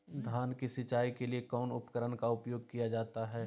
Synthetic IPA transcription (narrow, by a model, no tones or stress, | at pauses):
d̪ʱaːnkisɪt͡ʃaːikeliekɔːnʊ̰pkəɾənkaʊpjoːɡ̚kijad͡ʒaːt̪aɦɛː